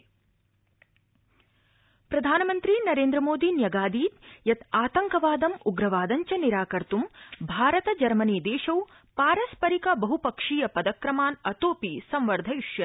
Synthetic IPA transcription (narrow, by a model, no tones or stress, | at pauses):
pɾɐd̪ʱaːnɐmɐnt̪ɾinɐɾeːnd̪ɾɐmoːd̪iːnjɐɡaːd̪iːt̪jɐt̪aːt̪ɐŋkɐʋaːd̪ɐmuɡɾɐʋaːd̪ɐɲt͡ʃɐniɾaːkɐɾt̪umbʱaːɾɐt̪ɐd͡ʒɐɾmɐniːd̪eːʃɐw | paːɾɐspɐɾikɐbɐɦupɐkʂiːjɐpɐd̪ɐkɾɐmaːnɐt̪oːpisɐmʋɐɾd̪ʱɐjuʂjɐ